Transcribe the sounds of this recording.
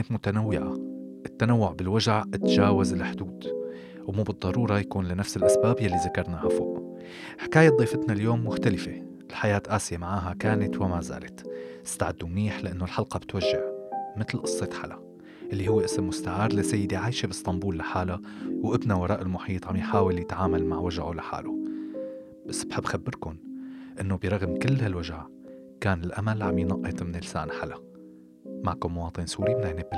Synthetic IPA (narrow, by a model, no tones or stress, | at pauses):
t̪mʊt̪anawːɪʕa̰ʔɪt̪ːanawːʊʕbɪlwaʒaʕʔɪt̪ʒaːwazɪlħd̪uːd̪ | wmuːbɨd̪ˤːɑɾˤuːɾˤɑjakuːnlɪnafsɪlʔasbaːbjalːiðakɑɾˤnahafo̰ːʔ | ħɪkaːjad̪ˤiːfɪt̪naljoːmːʊxt̪alɪfe | ʔɪlħajaːt̪ʔaːsɪjamaʕaːɦakaːnat̪wɪmaza̰ːlat̪ɪ̥st̪a̰ʕɪd̪ːumniːħlɪʔanːolħɑlqɑbɪt̪waʒːɪʕmɪt̪lʔɨsˤːet̪ħa̰la | ʔɪlːihʊwːeʔɪsmːʊst̪aʕɑːɾˤlasːajːɪd̪iʕaːjʃebɪst̪ˤɑmbuːlːaħaːlawʔɪbnawɑɾˤɑːʔɪlmʊħiːt̪ˤʕamjħaːwɪljɪt̪ʕaːmalmaʕwaʒʕolaħa̰ːlo | b̥asːb̥ħɪbːxabːɪɾkʊnʔɪnːobiɾˤɑɣmkɪlːhalwaʒʕa | kaːnɪlʔamalʕamjnɑʔːɪt̪ˤmɪnɪlsa̰ːnħalʔa | maʕkʊnmʊwɑːt̪ˤɨnsuːɾimɪnːajnɪbːɪ